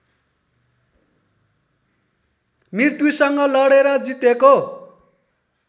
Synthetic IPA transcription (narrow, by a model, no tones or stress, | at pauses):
mirt̪jusʌŋɡʌlʌɽeɾʌd͡zit̪eko